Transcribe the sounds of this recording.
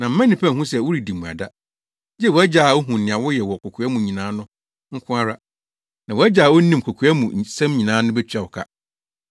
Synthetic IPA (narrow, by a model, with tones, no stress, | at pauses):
nã˨m̩˦mã˦nĩ˨pʰã˦˨ɦũ˦sɛ˨wʊ˦ɾi˨di˨mũ˨a̰˨da˦ | d͡ʑɛ˦˨wɔ˨æ˦d͡ʑa˨o˦ɦũ˨n˨nɪ̃˨ã˨wɔ˦jɛ˨wɔ˨kʰɔ˨kʰu˨a˦mũ˨ɲĩ˨nãː˨˦nʊ̃˦ | ŋ̩˦kʰʊ̃˦a˦ɾa˦ | nã˨wɔ˨æ˦d͡ʑa˨a˨wo˦nĩ˦mkʰɔ˨kʰu˨˦a˦mũ˨sã˦mɲĩ˨nãː˨˦nʊ̃˦bɛ˦t͡ɕʰᶣa˨wɔ˨kʰa̰˦